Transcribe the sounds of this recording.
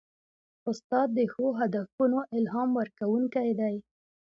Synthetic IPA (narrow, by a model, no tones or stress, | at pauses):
ʊst̪ɑd̪ːəxoɦad̪afunoʔɪlɦɑmwəɾkawuŋkajd̪aj